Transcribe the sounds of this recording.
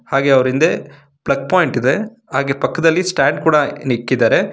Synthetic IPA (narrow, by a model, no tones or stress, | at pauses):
haːɡeːɐʋɐɾind̪e | bɭɐɡ̚paːjɪɳʈid̪e | ɦaːɡeːpɐkːɐd̪ɐlːisʈaːɳɖ̚kuːɽɐnikːid̪aːɾe